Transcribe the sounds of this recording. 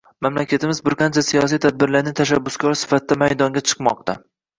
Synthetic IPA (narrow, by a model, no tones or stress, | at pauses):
mamlakʲʰat̪ʰɪmɪzbɪɾqʰant͡ʃʰasijɒs̬ijt̪ʰad̪̚bɪɾlaɾnɪt̪ʰaʃ̬abːʊskʰʲɒɾsɪ̥fat̪ʰɪd̪amajd̪ɒŋɡʲat͡ʃʰɨ̥qmɒq̚t̪a